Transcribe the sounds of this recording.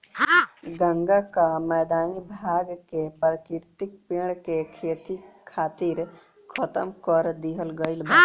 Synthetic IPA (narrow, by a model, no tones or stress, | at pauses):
ɡə̃ŋɡakamɛːd̪aːnibʱaːɡkepɾəkɪɾt̪ɪk̚piɽkekʰeːt̪ikʰaːt̪iɾ | kʰət̪əmkɔɾd̪iɦəlɡəɪlbʱa